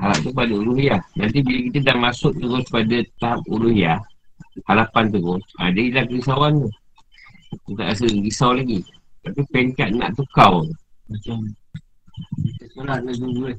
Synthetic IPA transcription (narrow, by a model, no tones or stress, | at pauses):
hala̰p̚t̪upadəulʊɦjahnant̪ibiləkit̪ədahmasʊʔ̚t̪əɣʊspadat̪ap̚uluhjahalapant̪̬əɣʊsa̰d͡ʒailapəɡis̬awant̪uh | kit̪a̰ʔas̬əɡisawlaɡi | t̪apipɛŋkat̪̚na̰ʔt̪ukawmat͡ʃa | sməlaaɡuɡu